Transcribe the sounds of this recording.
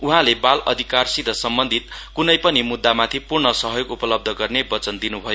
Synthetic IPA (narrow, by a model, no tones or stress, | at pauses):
uɦãlebalʌd̪ʱikarsid̪ʱʌsʌmbʌnd̪ʱit̪̚kunʌjpʌnimud̪ːamat̪ʰipurɳʌsʌɦjoɡupʌlʌb̚d̪ʱʌɡʌrnebʌt͡sʌnd̪inubʱʌjo